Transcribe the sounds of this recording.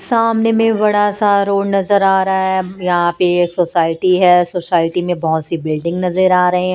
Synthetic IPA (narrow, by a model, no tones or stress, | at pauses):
saːmnemẽbɐɽ̤asaɾoːɽnɐzəɾaːɾɐɦaɦɛjɐɦãpeːksoːsaːɪʈiɦɛsoːsaːɪʈimẽbɐɦʊt̪sibɪlɖɪ̃ŋɡnɐzəɾaːɾɐɦẽɦɛ̃